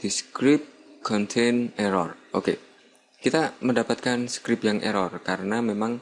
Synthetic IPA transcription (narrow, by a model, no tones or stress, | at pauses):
d̪̥isə̥kɾɪp̚kʰɔnt̪ʰeneɾɔrʔoke | kit̪aməndapat̪̚kansə̥kɾɪp̚jaŋʔḛɾɔrkaɾənamemaŋ